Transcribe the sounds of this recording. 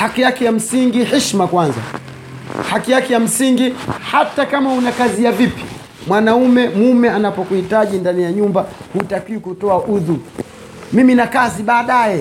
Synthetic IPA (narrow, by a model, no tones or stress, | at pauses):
hakijakɛjam̩siŋɡihiʃmakwanza̰ | hakijakɛjam̩siŋɡihatakamahunakazijavipi̥ | mwanaumɛmumɛanapɔkuhitaʄindanijaɲumba | hutakiwikutɔaʔuðu | miminakaziɓaːɗajɛ